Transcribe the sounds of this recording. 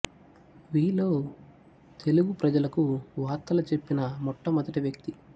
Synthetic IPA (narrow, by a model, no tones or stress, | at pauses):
ʋiːloː | t̪ʰe̞luɡupɾɐd͡ʒɐlɐkuʋaːɾt̪ːɐlɐt͡ʃe̞pːinɐmɔʈːɐmɐd̪ɐʈiʋjɐk̚t̪i